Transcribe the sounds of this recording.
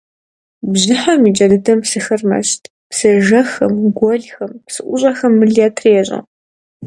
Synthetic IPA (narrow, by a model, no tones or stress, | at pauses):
bʑɪħamiːd͡ʒɐdɨdɐmpsɨxɐrmɐ̰ʃtʰ | psɨʒɐxɐ̰mɡʷɔɮxɐmpsɨʔʷʊɕʼɐxɐmːɨɮijatʰreːɕʼɐ̰